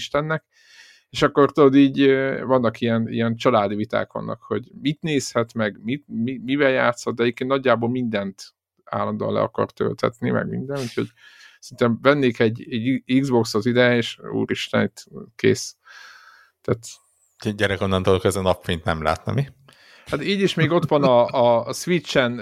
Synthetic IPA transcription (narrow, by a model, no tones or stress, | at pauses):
ʃt̪ɛnːɛk | eːʃɒkːo̞rt̪ud̪oːd̪iːɟvɒnːɒkijɛnḭjɛnt͡ʃɒlaːd̪ivit̪a̰ːkʋɒ̰nːʔɒ̰kho̞ɟmit̪neːshɛt̪mɛɡmit̪mimivɛljaːt̪shod̪d̪ɛɟeːpkeːnnɒɟːaːboːlmind̪ɛnt̪ | a̰ːlːɒnd̪o̰ːlɛ̰ɒkɒ̰rt̪ø̰lt̪ʰɛ̰t̪nḭmɛ̰ɡmḭnd̪ɛnuːcʰho̞ɟ | ssint̪ɛɱvɛnːeːkɛɟɛɟiɡzbo̞ksot̪id̪ɛjɛeːʃṵːɾiʃt̪ɛ̰nit̪ːkḛːs | t̪æːt̪ | ɟɛɾɛkonːɒnt̪olokɛzɛnɒpfent̪nɛmla̰ːt̪nɒ̰mi | hat̪iːɟiʃmeːɡo̞t̪ʋɒnɒːsʋit͡ʃːɛn